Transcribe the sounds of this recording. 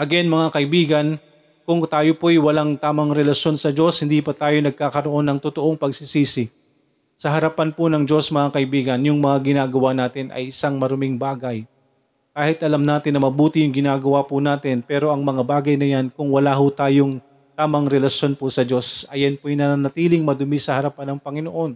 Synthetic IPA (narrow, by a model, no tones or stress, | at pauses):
ʔɐɡɛnmɐŋakɐʔɪbiːɡɐn | kʊŋt̪aːjopojwɐlaŋt̪aːmɐŋɾɛlɐʃjo̞nsɐd͡ʒo̞shɪnd̪ipɐt̪aːjo̞nɐɡ̚kaːkɐɾo̞ʔo̞nːɐŋt̪ʊt̪oʔo̞ŋpɐɡ̚sɪsiːsɪ | sɐɦɐɾɐpanpʊnɐŋd͡ʒo̞smɐŋakɐʔɪbiːɡɐnjʊŋmɐŋaɡɪnaːɡɐwanaːt̪ɪnʔɐ̰jʔɪsaŋmɐɾomɪŋbaːɡɐj | kaːhɪt̪ʔɐlamnaːt̪ɪnːɐmɐbuːt̪ɪjʊŋɡɪnaːɡɐwapʊnaːt̪ɪnpɛːɾo̞ʔɐŋmɐŋabaːɡɐjnɐjankʊŋwɐlaːɦʊt̪aːjoŋ | t̪aːmɐŋɾɛlɐʃjo̞npʊsɐd͡ʒo̞sɐjanpojnɐanɐt̪iːlɪŋmɐd̪ʊmɪsɐhɐɾɐpanɐŋpɐŋɪnoʔo̞n